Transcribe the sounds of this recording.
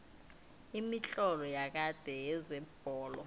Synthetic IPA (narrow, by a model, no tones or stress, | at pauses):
imit͡ɬʼɔlɔjak̬ad̥ʱɛjɛzɛb̥ʱɔːlɔ